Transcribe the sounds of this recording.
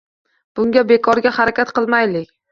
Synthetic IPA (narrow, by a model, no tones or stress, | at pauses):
b̥ʊŋɡʲabe̞kʰɒɾɡʲahaɾakʲat̪qʰɨlˠmajlɪkʲ